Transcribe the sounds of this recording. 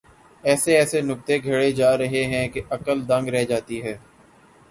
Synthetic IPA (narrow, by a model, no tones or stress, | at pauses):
ɛːseɛːsenʊk̚t̪eɡʱɐɽed͡ʒaːɾɐɦeɦɛ̃keʔɐkəld̪ɐ̃ŋɡɾɛɦd͡ʒaːt̪iɦɛː